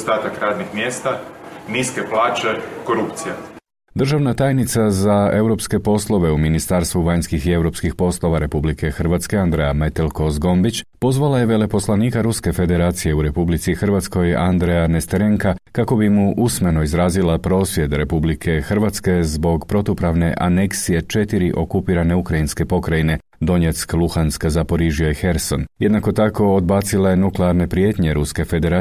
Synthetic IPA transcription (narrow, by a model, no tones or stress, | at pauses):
st̪aːt̪akɾaːd̪nixmjeːst̪aniskeplˠaːt͡ʃekoɾupt̪sija | d̪r̩ʒaʋnat̪aːjnit̪sazae̞wɾo̞pske̞po̞slˠo̞ʋe̞uminist̪aɾst̪ʋuʋaɲskixie̞wɾo̞ːpskixpo̞slˠo̞ʋaɾe̞publikʰe̞xrʋat̪ske̞and̪ɾejamet̪elko̞zɡo̞mbit͡ɕpo̞zʋalaje̞ʋe̞le̞po̞slˠaniːkaɾuske̞fe̞d̪e̞ɾaːt̪sije̞uɾe̞publit̪sixr̩ʋat̪sko̞ja̰nd̪ɾejane̞st̪eɾeŋkakako̞bimuʔusme̞no̞izɾaːzilapɾo̞ːsʋje̞d̪ɾepublikʰe̞xr̩ʋat̪ske̞zbo̞ɡpɾo̞t̪upɾaʋne̞ʔa̰ne̞ksije̞t͡ʃe̞t̪iɾiʔo̞kupiːɾane̞ukɾainske̞po̞kɾajine̞ | d̪o̞ɲe̞t̪sklˠuxanskzapo̞ɾiʒio̞jxe̞ɾso̞nje̞d̪nako̞t̪ako̞od̪baːt̪silaje̞nukleaɾne̞pɾijet̪ɲe̞ɾuske̞fe̞d̪eɾa